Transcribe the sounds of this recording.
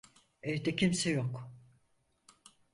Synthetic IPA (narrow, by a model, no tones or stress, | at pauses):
ɛd̪ɛcʰʲimsɛjok